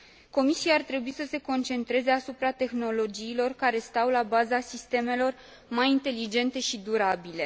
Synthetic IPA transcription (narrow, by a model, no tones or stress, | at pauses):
ko̞misiaːrt̪ɾe̞buisəse̞ko̞nt͡ʃe̞nt̪ɾe̞ze̞asupɾat̪e̞xno̞lo̞d͡ʒiːlo̞rkaɾe̞st̪awlabazasist̪e̞me̞lo̞r | majint̪e̞lid͡ʒe̞nt̪e̞ʃid̪uɾabile̞